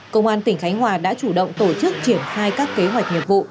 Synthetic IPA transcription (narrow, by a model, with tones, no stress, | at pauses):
kə˧wŋ͡mʔaː˧nt̪ï˧˩ŋ̟xa˨˦jŋ̟ɦwaː˨˩ɗa̰ː˧˥t͡ɕu˧˩ɗə̰˧˨wŋ͡mt̪o˧˩t͡ɕɨ˦˥k̚t͡ɕi˧˩ənxaː˧jkaː˦˥kːe˨˦ɦwa˨˩jk̚ɲi˨˩əp̚vṵ˧˨